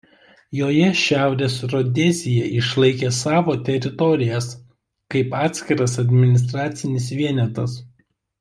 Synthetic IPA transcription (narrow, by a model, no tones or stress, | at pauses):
joːjɛʃʲæˑʊɾʲeːsɾɔd̪ʲɛzʲɪjɛʔɪʃlˠɐɪkʲeːsɑːʋoːt̪ʲɛɾʲɪt̪ɔɾʲɪjɛs | kɐɪpɑːt̪ʲsʲkʲɪɾɐsɐd̪ʲmʲɪnʲɪst̪ɾɑːt̪sʲɪnʲɪsʋʲiɛnʲɛt̪ɐs